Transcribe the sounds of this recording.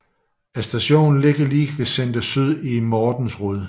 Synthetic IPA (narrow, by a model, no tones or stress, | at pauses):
æsd̥æɕo̝̰ːn̩le̝ɡ̥ɐliːɡ̥ʋe̝send̥əsyð̰ˠimɒːd̥n̩sʁɔð̰ˠ